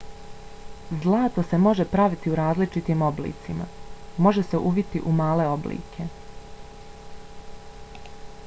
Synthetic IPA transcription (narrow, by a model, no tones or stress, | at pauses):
zlˠaːt̪ase̞mo̞ʒe̞pɾaʋit̪iuɾaːzlit͡ʃit̪iːmo̞blḭːt̪sima̰mo̞ʒe̞se̞ʔuʋit̪iʔumaːle̞o̞blḭːkʰe̞